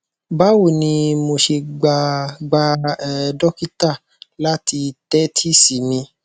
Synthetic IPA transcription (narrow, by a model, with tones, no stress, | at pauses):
ba˦wo˦˨nĩ˧mo˧ʃe˧ɡ͡ba˧ɡ͡ba˧ɛ˧dɔ˦ki˦ta˦˨ | la˦ti˧tɛ˦tʰi˦si˨˦mĩ˧